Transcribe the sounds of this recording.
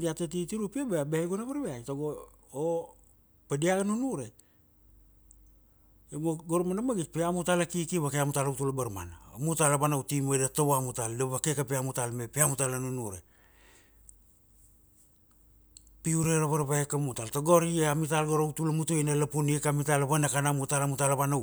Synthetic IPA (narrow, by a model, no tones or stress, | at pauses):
diatetitiɾupiabeabeajɡonaβaɾbeajtoɡo | o | pediaɡanunuɾe | emoɡoɾmanamaɡit̚peamutalakikiβakeamutalawtulabaɾma̰naamutalabanawtimodatowamutaldeβakekapeamutalmepeamutalanunuɾe̞̰ | piuɾeɾaβaɾβaekamutaltoɡoɾieamitalɡoɾawtulamutoinalapuniekamitalaβanakanamutalamutalaβana